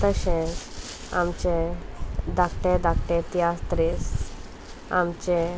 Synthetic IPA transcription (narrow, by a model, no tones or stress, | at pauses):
t̪əɕẽ | amt͡ɕẽ | d̪akʈẽd̪akʈẽt̪iast̪ɾis | a̰mt͡ɕẽ